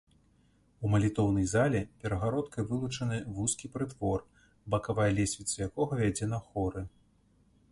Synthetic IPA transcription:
umɐlʲit̪ɔwnɐjzalʲɛpʲɛɾɐɣaɾɔt̪kɐjvɨlˠut͡ʂɐnɨvuskʲipɾɨt̪vɔr | bɐkavajɐlʲɛsʲvʲit̪sɐjakɔɣɐvʲad͡zʲɛnɐxɔɾɨ

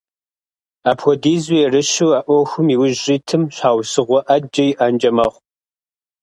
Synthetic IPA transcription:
aːpʰɔdiːzijɛrɨʃuwaːʔʷɔxʷʊmiːwʊʒiːtʰɨmɕʷaːwsɨʁʷɔʔɐd͡ʒɐjiʔaːnd͡ʒɐmɐʁʷ

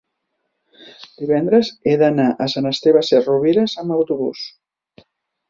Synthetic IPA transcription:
d̪iβɛnd̪ɾəzeðənaʔəsənəst̪eβaseruβiɾəzəməwt̪uβṵs

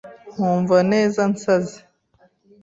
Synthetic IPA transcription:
m̥uːɱvane̞ːzant͡sazi

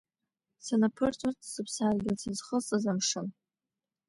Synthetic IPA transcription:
sanapʰɨrt͡sʰʷʼartʼsɨpʰsaːrɡʲɪlsɨzχəsʼazamʂɨn

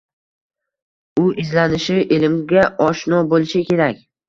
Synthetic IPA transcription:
ʊʔɪzlanɪʃɪʔɪlɪmɡʲaʔɒʃnɒbolɪʃɪkʲʰe̞ɾakʲ

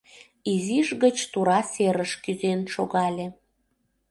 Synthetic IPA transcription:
iziʒɣət͡ɕt̪uɾɑseɾəʃkyzenʃoɣɑlʲe

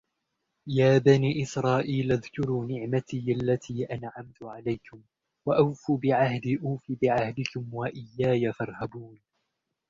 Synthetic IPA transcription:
jaːbaniːʔɪsɾˤɑːʔiːlʔaðkʊɾuːnɪʕmat̪iːʔalːat̪ʰiːʔanʕamt̪ʊʕalajkʊm | waʔawfuːbɪʕahd̪ɪʔaːfiːbɪʕahd̪ɪkʊmwaʔɪjːaːjafɑɾˤhabuːn

